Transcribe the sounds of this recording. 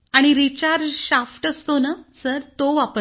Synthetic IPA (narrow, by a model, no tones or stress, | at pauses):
aɽ̃iɾit͡ɕaɾd͡ʑɕafʈəst̪onəsəɾt̪oʋapə